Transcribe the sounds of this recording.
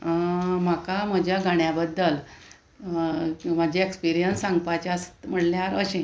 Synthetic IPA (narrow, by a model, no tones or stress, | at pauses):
makaməd͡ʑʱjaɡʱaɳjabəd̪ːəl | mad͡ʑʱaekspiɾijənsãŋɡpat͡ɕast̪m̤əɽljaɾəɕẽ